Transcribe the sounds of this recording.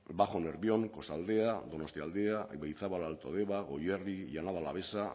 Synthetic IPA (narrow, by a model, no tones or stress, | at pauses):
baxo̞neɾβio̞ŋko̞sald̪e̞ad̪o̞nost̪iald̪eabejθaβalalt̪oð̞eβaɣo̞jeriʝanaðala̰βe̞sa